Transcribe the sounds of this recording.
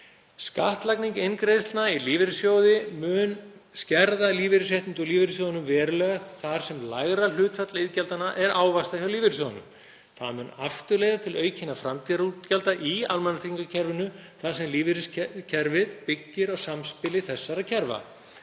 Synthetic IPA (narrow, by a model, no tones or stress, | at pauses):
ska̰ht̪lakniŋkɪnkɾejst̪nailiːvɪɾsjoːwðɪmʏːnscɛɾðaliːvɪɾɪsɛht̪ɪnt̪ʏliːvɪɾsjowðanʏmvɛːɾʏlɛːɣaθaɾ̥sɛmlaɣɾalʏːt̪fɛt̪laɪðcɛlt̪anaʔɛɾʔaːwvast̪ahjawliːvɪɾɪ̥s̬oːwðanʏ̰m | θa̰ðmʏːnaft̪ʏleːjðat̪ʰɪlœːɥcʰɪnafɾamt̪ʰiɾucɛlt̪aʔialmɛnːat̪ʰɾiŋkacʰɛɾvɪnʏθasɛmliːvɪɾɪscʰɛɾvɪðpɪcːɪɾaɣsamspɪlɪθɛsːaɾaðcʰɛɾva̰